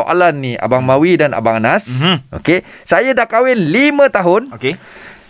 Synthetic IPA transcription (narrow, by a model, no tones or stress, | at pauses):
oʔa̰lanːia̰baŋmawidana̰baŋanasʔo̰kesajadakawɛnlimə̃t̪aɦʊnoke